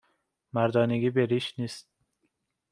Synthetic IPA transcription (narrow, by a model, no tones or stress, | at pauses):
mæɾd̪ɒːneɡiːbeɾiːʃniːst̪̚